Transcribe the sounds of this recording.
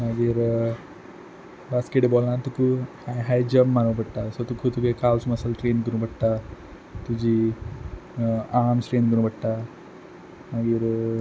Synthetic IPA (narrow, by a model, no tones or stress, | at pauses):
məɡiːɾ | baskeʈebɔlant̪ukuhajɦajd͡ʑəmːanəpəɽt̪asɔt̪ukʰut̪ukekawsməsalʈɾenkəɾũbəɽt̪a | t̪ud͡ʑi | amsʈɾenkəɾũbəɽt̪a | maɡiːɾ